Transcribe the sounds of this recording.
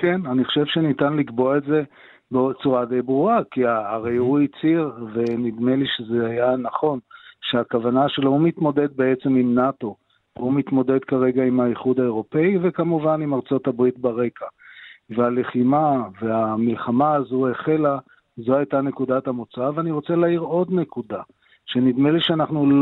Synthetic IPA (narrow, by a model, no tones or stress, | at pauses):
ke̞naniχoʃe̞vʃenitanlikbo̞aetze̞ | bet͡suʁad̪ejbʁuʁakiaːʁejuit͡siʁve̞nid̪me̞liʃezeajanaχo̞nʃeakavanaʃelohumit̪mo̞d̪e̞d̪̚be̞et͡se̞mimnato̞ | umit̪mo̞d̪e̞d̪kaʁe̞ɡaimaiχud̪aeʁo̞pe̞ive̞kamuvanimaʁt͡so̞tabʁit̪baʁe̞kaveale̞χimave̞amilχamaːzueχe̞la | zo̞ajt̪ane̞kud̪at̪amot͡saveaniʁo̞t͡se̞laːiʁo̞d̪ne̞kud̪a | ʃe̞nid̪meliʃeanaχnul